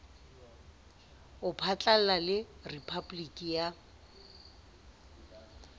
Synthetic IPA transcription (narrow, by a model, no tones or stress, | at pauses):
ʊpʰat͡ɬʼal̩lalɪripʰablikʼija